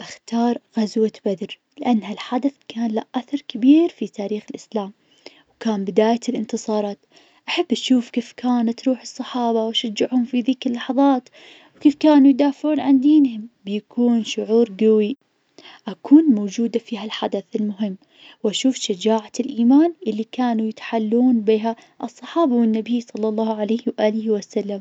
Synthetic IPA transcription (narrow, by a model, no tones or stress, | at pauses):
ʔaxt̪ɑːɾˤɣazwabad̪ɾ | lɪʔanːhalħad̪aθkaːnlaʔaθɑɾˤkabiːɾfit̪aːɾiːxɪlʔɪslaːm | wkaːnbɪd̪aːjalʔɪnt̪ɨsˤɑːɾˤɑːt̪ | ʔaħabːʔaʃuːfkeːfkaːnat̪ɾuːħɨsˤːɑħɑːbɑwaʃad͡ʒːɪʕhʊmfiðiːkɪlːɑħɑðˤɑːt̪ | wkeːfkaːnujd̪aːfɪʕuːnʕand̪iːnɦʊmbjakʰuːnʃʊʕuːɾɡawi | ʔakʰuːnmoːd͡ʒuːd̪afiːɦalħad̪aθɪlmʊɦɪmː | wʔaʃuːfʃad͡ʒaːʕaɪlʔiːmaːnʔɪlːikaːnujɪt̪ḁħalːuːnbiːɦa | ʔɨsˤːɑħɑːbawɪnːabijsˤɑlːɑlˤːɑːhʕalajhwʔaːlɪhwasalːam